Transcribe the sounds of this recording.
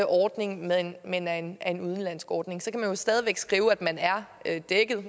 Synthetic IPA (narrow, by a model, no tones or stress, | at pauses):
əʔɒːd̥ne̝ŋmeðˠnmenænæe̝nuð̞ˠən̩læn̰sɡ̥ɒːd̥ne̝ŋsɒ̽kʰæmænjo̝sd̥ɛːð̞ˠʋeɡ̥sɡ̥ʁiːʊæd̥mænæɐød̥eɡ̥əð̩ˠ